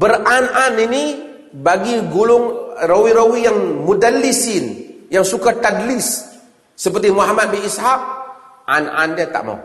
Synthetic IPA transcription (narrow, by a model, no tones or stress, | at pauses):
bərananini | baɡiɡulʊŋrowiɾowijaŋmudalːisɪnjaŋsukat̪adlɪsː | əpərt̪imuɦamat̪̚biishak̚ | ʔa̰na̰ndiat̪a̰ʔma̰w